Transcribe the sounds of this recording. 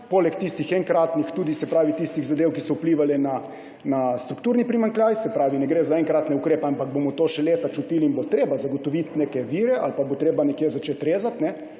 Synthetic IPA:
poːlɛkt̪ist̪ixɛŋkɾaːt̪nixt̪uːd̪isɛpɾaːʋit̪ist̪iɣzad̪ewkisɔupliːʋalɛna | nast̪ɾukt̪uːɾnipɾimaŋkljaːjsɛpɾaːʋinɛɡɾeːzaɛŋkɾat̪nɛukɾeːpɛampaɡ̚bomɔt̪oːʃɛleːt̪at͡ʃut̪iːliːnbot̪ɾeːbazaɡɔt̪ɔʋit̪neːkɛʋiːɾɛʔa̰lpabot̪ɾeːbanɛkjezat͡ʃet̪ɾeːzat̪nɛ

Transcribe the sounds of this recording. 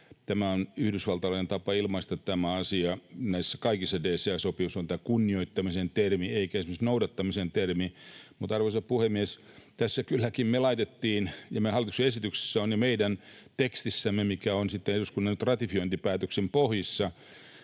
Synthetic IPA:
t̪æmæonyhdysʋɑlt̪ɑlɑˑinent̪ɑpɑilmɑist̪ɑt̪t̪æmæɑsiɑnæisːækɑikisːɑdeːseɑsopiusont̪ækunːioit̪ːɑmisent̪ermieikæesemosnoudɑt̪ːɑmisent̪ermimut̪ɑrʋosɑppuhemmies | t̪æsːækylːækimmelɑit̪et̪ːiːnjɑmehɑlit̪u̥kseesit̪ykse̥sːæonjɑmeidænt̪ekst̪isːæmːemikæonsit̪ːeneɾuskunːɑnyt̪rɑt̪ifioint̪ipæːt̪øksempohjisːɑ

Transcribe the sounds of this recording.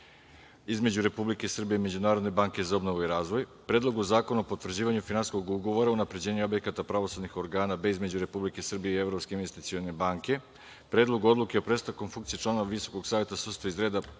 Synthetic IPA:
izme̞d͡ʑuɾe̞publike̞isr̩bije̞ime̞d͡ʑunaːɾo̞d̪ne̞baːŋke̞zao̞bno̞ʋuiɾaːzʋo̞jpɾe̞ːd̪lˠo̞ɡuzaːko̞naopot̪ʋr̩d͡ʑiːʋaɲufinansko̞ɡuɡo̞ʋo̞ɾaunapɾe̞d͡ʑe̞ːɲuo̞bje̞kat̪apɾaʋo̞sad̪nixo̞ɾɡaːnabizme̞d͡ʑuɾe̞publike̞sr̩bijeie̞vɾo̞pske̞inʋe̞st̪it̪sio̞ne̞baːŋke̞ | pɾed̪lˠo̞ɡuod̪lˠukeo̞pɾe̞st̪akonfuŋkt̪sijit͡ʃlˠaːno̞ʋaʋiso̞̥ko̞ɡsaːʋje̞t̪asurst̪aizɾe̞ːd̪a

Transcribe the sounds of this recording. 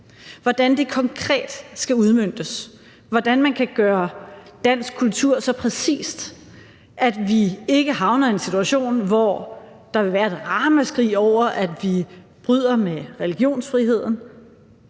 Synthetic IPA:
ʋɒd̥ænd̥e̝kʰɒ̽ŋkʰʁɛ̰ːd̥sɡ̥æuð̞ˠmøn̰d̥əs | ʋɒd̥ænmænkʰæɡ̥ɶːɐ | d̥æn̰sɡ̥̚kʰult͡sʰuɐ̰sɒ̽pʰʁɛsḭːsd̥ | ʔæd̥ʋie̝ɡ̥əɦɑ̈ʊnɐe̝nsit͡sʰuæɕo̝̰ːnʋɒ | d̥ɑ̈ʋe̝ʋæːɐe̝d̥ʁɑ̈ːmæsɡ̥ʁḭːɒʊ̰ɐʔæd̥ʋi | b̥ʁyð̰ˠɐmeʁɛliɡ̥jo̝̰ːnsfʁiɦe̝ð̞̰ˠn̩

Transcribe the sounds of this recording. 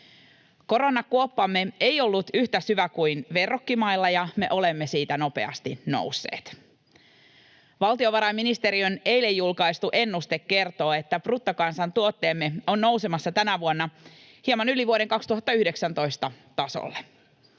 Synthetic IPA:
ko̞ɾonɑkuopːɑmːeejo̞lːut̪yht̪æsyʋækuinʋe̞rːokːimɑjlːɑjɑmeʔo̞lemːesiːt̪æno̞pe̞̰ɑ̰st̪ino̰wsːḛːt̪ | ʋɑlt̪io̞ʋɑɾɑjmːinist̪e̞ɾioneilejːulkɑist̪uʔe̞nːust̪ekːe̞rt̪o̞ːet̪ːæprut̪ːokɑnsɑnt̪uot̪ːeːmːeo̞nːo̞wsemɑsːɑt̪ænæʋuonːɑ | hiemɑnyliʋuoɾeŋkɑkst̪uhɦɑt̪ːɑyhdeksænt̪o̞ist̪ɑ | t̪ɑso̰lːe

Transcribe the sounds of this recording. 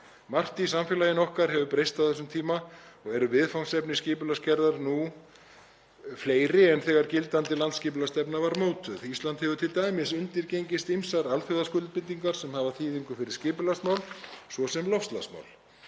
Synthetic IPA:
mar̥t̪ɪis̬amfjɛlaːjɪnɔhkaɾ̥hɛvʏpɾejst̪awθɛsʏmt̪ʰiːmaɔɣɛɾʏvɪðfawŋsɛpnɪscɪːpʏlascɛɾðaɾnu | fleːjɾɪɛnθɛːɣaɾcɪlt̪ant̪ɪlant̪scɪːpʏlast̪ɛpnavaɾmoːwt̪ʏðist̪lant̪hɛvʏt̪ʰɪlt̪aːjmɪsʏnt̪ɪɾcejɲcɪst̪imsaɾalθʏðaskʏlt̪̚pɪnt̪ːiŋkaɾ̥sɛmhavaθʰiːðiŋkʏfɪɾɪɾ̥scɪːpʏlasmawlsvɔsɛmlɔfst̪la̰sma̰wl

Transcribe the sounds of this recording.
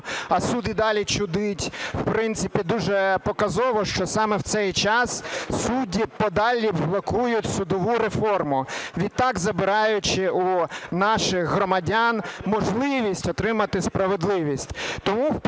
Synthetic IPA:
ɐsud̪id̪ɑlʲit͡ʃʊd̪ɪtʲw̥pɾɪnsɪpʲid̪uʒɛpɔkɐzɔʋɔʃt͡ʃɔsɑmɛwt̪sɛjt͡ʃɑssudʲipɔd̪ɑlʲiblˠɐkujʊtʲsʊd̪ɔʋuɾefɔrmʊʋʲid̪̚t̪ɑɡzɐbɪɾɑjʊt͡ʃɪunɑʃɪxɦɾɔmɐdʲanmɔʒlˠɪʋʲisʲtʲɔt̪ɾɪmɐt̪ɪspɾɐʋed̪lˠɪʋʲisʲtʲt̪ɔmuw

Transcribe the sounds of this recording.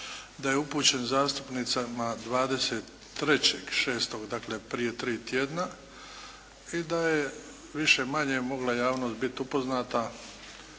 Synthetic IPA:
d̪ajeupuːt͡ɕe̞nzaːst̪u̥pnit̪samad̪ʋaːd̪e̞set̪ː | ɾe̞t͡ɕeɡ̥ʃe̞ːst̪oɡd̪akle̞pɾije̞t̪ɾiːt̪jeːd̪na | id̪aje | ʋiʃe̞maɲe̞mo̞ɡlajaːʋnost̪bit̪upo̞znaːt̪a

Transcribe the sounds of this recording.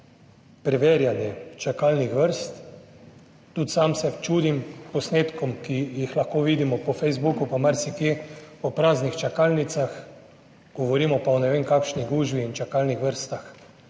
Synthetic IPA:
pɾɛʋeːɾjanjɛt͡ʃakaːlnixʋəɾst̪ | uːt̪samsɛt͡ʃuːd̪impɔsneːt̪kɔmkijixlaxkoːʋiːd̪imɔpɔfɛjzbukupɔmaɾsikepɔpɾaːznixt͡ʃakalnit̪sax | ɡ̥ɔʋɔɾiːmɔpaɔnɛʋeːŋkakʃniɡuːʒbiːnt͡ʃakalnixʋəɾst̪ax

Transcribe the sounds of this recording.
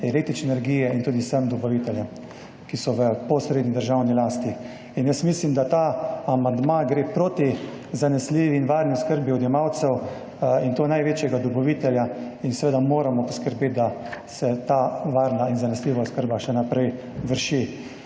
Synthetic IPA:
ɛlek̚t̪ɾit͡ʃnɛɛɾɡiːjɛint̪uːd̪isəmd̪ɔbɔʋit̪ɛljɛ | kisɔʋəpɔsɾeːd̪nid̪əɾʒawnilaːst̪i | injəsmislimd̪at̪aamand̪maɡɾepɾoːt̪i | zanɛsliːʋiːnʋaɾniskəɾbiɔd̪jɛmawt̪sɛw | int̪oːnajʋeːt͡ʃjɛɡad̪ɔbɔʋiːt̪ɛlja | insɛʋeːd̪amoːɾamɔpɔskəɾbeːt̪̚d̪asɛt̪aʋaɾnainzanɛsliːʋaskəɾbaʃɛnapɾɛj | ʋəɾʃi

